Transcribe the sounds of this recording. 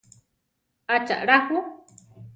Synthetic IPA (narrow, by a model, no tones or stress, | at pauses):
at͡ʃa̰ʔɺahu